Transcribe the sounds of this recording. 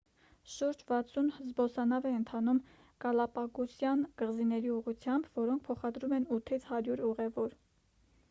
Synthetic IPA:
ʃuɾd͡ʒvɑt͡sʰunhzbɔsɑnɑvɛənt̪ʰɑnum | kɑlɑpɑkusjɑnɡ̥əʁzinɛɾiuʁut͡sʰjɑmbvɔɾɔŋk̚ʰpʰɔχɑd̪ɾumɛnut̪ʰit͡sʰhɑɾjuɾuʁɛvɔɾ

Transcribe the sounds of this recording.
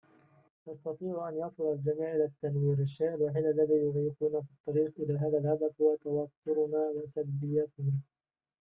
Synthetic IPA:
nɑst̪ɑt̪ˤiːʕʔanjɑsˤɨlald͡ʒamiːʕʔɪlaːt̪ːanwiːɾaʃːajʔalwaːħɪːlʔalːaðiːjʊʕiːfuːnafit̪ˤːɑɾiːqʔɪlaːɦaːðalhad̪afhʊwat̪awɑt̪ːʊɾʊnaːwɪsabbːɪjːat̪ɪa

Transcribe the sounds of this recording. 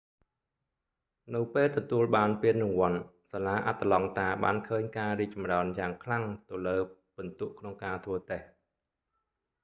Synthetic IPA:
nɨwpeːlt̪ɔt̪uəlɓaːnpiənːɨŋʋŏən | salaːʔat̪ːalɑŋt̪aːɓa̰ːnkʰəːɲkaːriək̚t͡ɕɑmraənjaːŋkʰlaŋt̪ɨwləːpɨnt̪uəʔkʰnoŋkaːt̪ʰʋəːt̪eh

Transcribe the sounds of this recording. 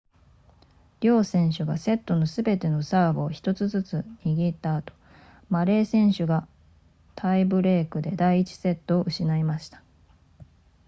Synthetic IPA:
ɾʲo̞ːsẽ̞ɰ̃ɕɨɡa̰se̞t̪ːo̞no̞sɨbe̞t̪e̞no̞saːɡo̞ːçi̥t̪o̞t͡sɨzɨt͡sɨɲiɡʲit̪aːt̪o̞̥ | maɾe̞ːsẽ̞ɰ̃ɕɨɡa | t̪ʰaibɯ̟ɾe̞ːkɯ̟d̪e̞d̪aiːt͡ɕi̥se̞t̪ːo̞ːʔɯ̟ɕinaimaɕi̥t̪ḁ

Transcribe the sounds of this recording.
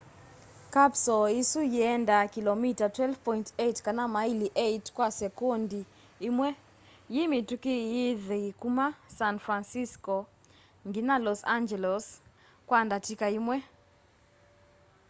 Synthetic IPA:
kapsɔisujɛndakilomitatwɛlfpɔintetkanamailiʔetkwasɛkondiː | mwɛ | jimitukɪjɪðkumasanfɾansiskɔ | ŋɡinalɔsand͡ʒɛlɔs | kwandatikaimwɛ

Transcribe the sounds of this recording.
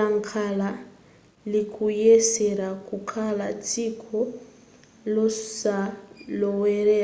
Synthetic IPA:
aŋ̩kʰala | likʰujesɛɾakukʰalat͡sʰʼikʰɔ | lɔsalɔwɛɾɛ

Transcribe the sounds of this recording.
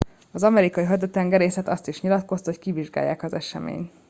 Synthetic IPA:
ɒzɒmɛɾikɒiɦɒd̪øt̪ɛŋɡɛɾeːsɛt̪ɒst̪iʃɲilɒt̪ko̞st̪ho̞ckiviʒɡa̰ːjːa̰ːkɒzɛʃɛ̰mḛːɲt̪

